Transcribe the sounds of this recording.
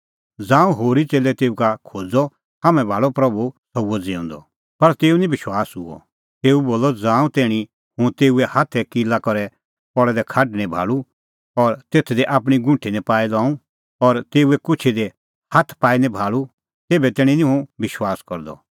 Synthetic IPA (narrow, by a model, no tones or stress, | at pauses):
d͡zãːũɦoːɾit͡seːlɛt̪eːukakʰoːd͡zɔ | haːmɛ̃bʱaːɭɔpɾɐbusɐuɔd͡zɪʊ̃ːnd̪ɔ̰ | pɐɾt̪eːunĩbɪʃwaːsɦʊɔ̰ | t̪eːuboːlɔd͡zãːũt̪eːɽ̃i | hʊ̃t̪eːuɛhat̪ʰɛkilakɔɾɛ | pɔɭɛd̪ɛkʰaɖñɛ̃bʱa̰ːɭu | ɔɾt̪eːt̪ʰd̪ɛʔaːp̬ɽ̃iɡʊ̃ɳʈʰinɛ̃paːilãːũ | ɔɾt̪eːuɛkʊt͡ʃʰid̪ɛ | hat̪ʰpaːinɛ̃bʱaːɭu | t̪eːbɛt̪ɛːɽ̃ĩnĩɦũbɪʃwaːskɔɾd̪ɔ̰